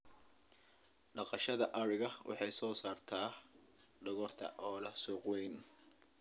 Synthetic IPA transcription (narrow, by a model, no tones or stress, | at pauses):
ɖɑqɑʃɐðɐʔɐɾɪɣɐwʔɑ̰ħɑjsɔːsaːrt̪ʰaː | ɖɐɣɔrt̪ʰɐ̰ʔɔːlɐsuːqwɛjn